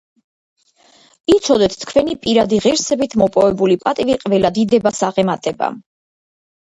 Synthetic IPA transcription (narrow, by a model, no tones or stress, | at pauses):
it̪sʰɔd̪ɛt̪ʰt̪ʰkʰvɛnipʼiɾad̪iʁiɾsɛbit̪ʰmɔpʼɔvɛbulipʼat̪ʼiviqʼvɛlad̪id̪ɛbasaʁɛmat̪ʼɛba̰